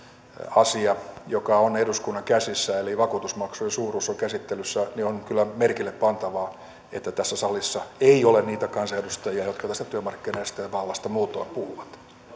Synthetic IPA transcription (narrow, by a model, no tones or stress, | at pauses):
ɑsiɑjokɑoneduskunːɑŋkæsisːæeliʋɑkuːt̪usmɑksujesuːruːsːoŋkæsit̪ːelysːænionkylːæmerkilːeppɑnt̪ɑʋɑː | et̪ːæt̪æsːæsɑlisːɑeiolenniːt̪ækɑnsɑedust̪ɑjiɑjot̪kɑt̪æst̪æt̪yømɑrkːineist̪ɑjɑʋɑlːɑst̪ɑmuːt̪oɑpuhuʋɑt̪